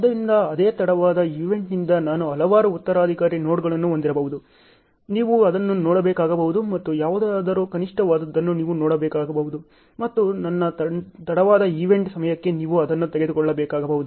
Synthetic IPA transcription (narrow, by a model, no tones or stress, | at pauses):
ɐd̪ɐɾind̪ɐɐd̪eːt̪ɐɽɐʋaːd̪ɐiːʋe̞ɳʈnind̪ɐnaːnuɦɐlɐʋaːɾuut̪ːɐɾaːd̪ʱikaːɾino̞ːɽɡɐɭɐnːuond̪iɾɐbɐʋud̪u | niːʋuɐd̪ɐnːunoːɽɐbeːkaːɡɐbɐʋud̪umɐt̪ːujaːʋud̪aːd̪ɐɾukɐniʂʈɐʋaːd̪ɐd̪ːɐnːuniːʋunoːɽɐbɛːkaːɡɐbɐʋud̪u | mɐt̪ːunɐnːɐt̪ɐt̪ɐɽɐʋaːd̪ɐiʋe̞ɳʈsɐmɐjɐkːe̞niːʋuɐd̪ɐnːut̪eɡe̞d̪ukɔɭːɐbɛːkaːɡɐbɐʋud̪u